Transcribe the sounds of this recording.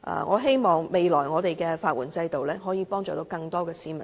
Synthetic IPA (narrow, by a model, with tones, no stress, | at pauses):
ʔɐ̰ː˨ŋʔɔː˨˧ɦe˥jmɔː˨˩ŋme˨˧jlɔː˨˩jŋɔː˨˧t̪e˨jkɛː˧faː˧t̚wuː˨˩nt͡sɐ˧jt̪o˨wlɛː˥ɦɔː˨˥jiː˨˧pɔː˥ŋt͡ʃɔː˨˩t̪o˨˧wkɐ˧ŋt̪ɔː˥kɛː˧siː˨˥mɐ˨